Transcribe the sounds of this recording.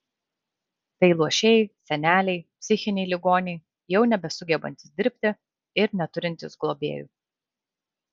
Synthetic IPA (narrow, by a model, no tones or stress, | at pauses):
t̪ɐɪlˠuɔʃʲɛɪsʲɛnʲæːlʲɛɪpʲsʲɪxʲɪnʲɛɪlʲɪɡoːnʲɛɪ | jɛʊnʲɛbʲɛsʊɡʲɛbɐ̰nʲt̪ʲɪsd̪ʲɪɾʲpʲt̪ʲɪ | ɪɾnʲɛt̪ʊɾʲɪnʲt̪ʲɪsɡlˠoːbʲḛːjṵːˑ